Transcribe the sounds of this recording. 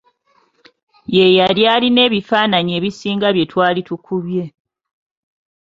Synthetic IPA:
je̞jaljaːline̞ːβifaːnaɲe̞ːβisiːŋɡaβje̞twaːlitukʰuβje̞

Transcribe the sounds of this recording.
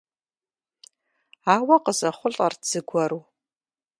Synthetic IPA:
awaqʼəzaχʷʊɬʼard͡zɨɡʷaɾu

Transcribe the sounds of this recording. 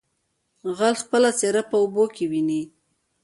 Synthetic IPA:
ɣalxpəlat͡seɾapəobokewini

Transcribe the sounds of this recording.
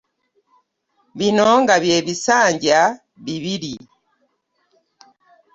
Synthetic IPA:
binɔŋɡaβjeβisaːɲɟa | biβiɾi

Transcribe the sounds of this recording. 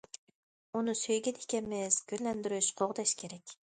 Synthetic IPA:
unɨsøjɡʲɛnikʲɛmɪz̥ɡʲølːɛnd̪yɾyʃqʰoʁd̪ɛʃkʲʰeɾɛkʲ

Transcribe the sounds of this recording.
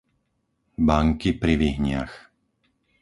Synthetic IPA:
baŋkipɾiʋiɦɲɪa̰x

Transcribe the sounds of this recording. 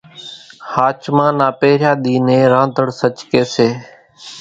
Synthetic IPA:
haːt͡ʃmãːnaːpeːɾjaːɗ̪iːnẽːɾãːnd̪ʱəɽsət͡ʃkeːseː

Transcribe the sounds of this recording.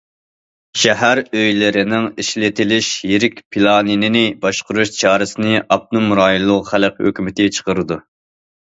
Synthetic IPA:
ʃɛɦæɾøjlɪɾɪnɪŋiʃlɪt̪ʰɪlɪʃjeɾɪkʲpʰilˠɑːninɪnɪbɑʃqʊɾuʃt͡ʃʰɑːɾɨsɨnɪʔɑp̚numɾɑːjilˠːʊχælq̚hø̰kʲymɪt̪ɪt͡ʃʰə̥qʰəɾɨd̪u

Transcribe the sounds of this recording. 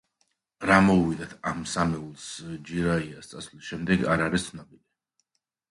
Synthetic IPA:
ɾamɔuvid̪at̪ʰamsamɛulˠsd͡ʒiɾaiast̪sʼasvlisʃɛmd̪ɛɡaɾaɾist̪sʰnɔbili

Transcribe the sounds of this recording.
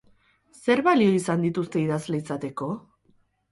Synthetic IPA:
se̞ɾβalio̞isand̪it̪ust̪e̞iðazle̞isat̪e̞ko̞

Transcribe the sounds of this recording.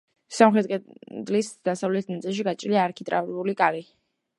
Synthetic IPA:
samχɾɛd̪qʼɛd̪lisd̪̥asavlɛt̪ʰnat̪sʼilˠʃ̬iɡat͡ʃʼliaːɾkʰit̪ʼɾʔa̰vulikʼali

